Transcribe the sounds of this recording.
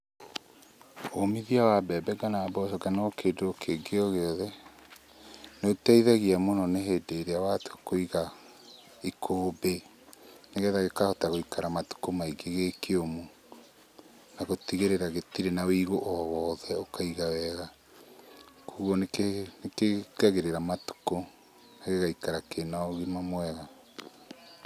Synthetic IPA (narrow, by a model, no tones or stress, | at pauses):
omiðiawabɛbɛɡanabɔsɔɡanakedookʰeɡeoɣɛðɛ | neotɛiðaɣiamonɔneɦedeɾeawatoakoiɣa | ikʰoːbe | neɣɛðaɣekahotaɣoikaɾamatu̥komaiɡeɣekʰeomo | naɣotiɣeɾeɾaɣetiɾenawiɣoʔɔwɔðɛokaiɣawɛɣa | kuːɣoneenekeɡaɣeɾeɾamatu̥ko | naɣeɣaikaɾakenaɔɣimamwɛɣa